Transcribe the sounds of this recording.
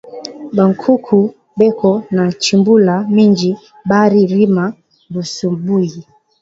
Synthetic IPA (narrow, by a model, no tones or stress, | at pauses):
baŋkʰukʰu | bɛkʰɔnat͡ʃimbulamiɲd͡ʒi | baɾiɾima | busubuji